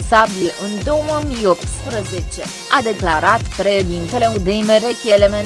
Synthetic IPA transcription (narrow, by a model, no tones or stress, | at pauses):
sabiʔɨnd̪o̞woomijo̞p̚t̪spɾəze̞t͡ʃe̞ | ad̪e̞klaɾat̪pɾed̪int̪ele̞ud̪ejmeɾekʲeleme